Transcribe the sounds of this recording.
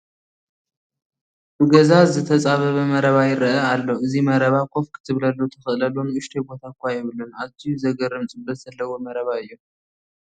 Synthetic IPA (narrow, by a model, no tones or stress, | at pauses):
bɨɡɐzazɨt̪ʰɐt͡sʼaβɐβɐmɐɾɐβajɪɾɐʔɐalːo̞ʔɨzimɐɾɐβakʰʼo̞fkʰɨ̥t̪ʰɨβlɐlːot̪ʰɨxɨʔɨlɐlːonɨʔʊʃt̪ʰebo̞t̪ʰakʰʷːajɪβɨlunat̪ʰijuzɐɡɐɾɨmt͡sʼɨbːɐt̪z̥ɐlːɐwomɐɾɐβaɨjːu